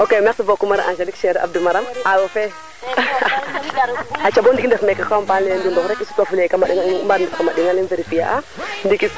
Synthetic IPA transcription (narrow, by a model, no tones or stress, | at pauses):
okemɛksibokumaɾʔaʃelikʃeɾʔa̰b̚dumaɾamawofɛ | at͡ʃabondikindɛfmekakampanlɛndindɔxɾɛkisu̥tafulekamaɗiŋambaɾnkamaɗiŋaliveɾipija̰ʔa | ndikis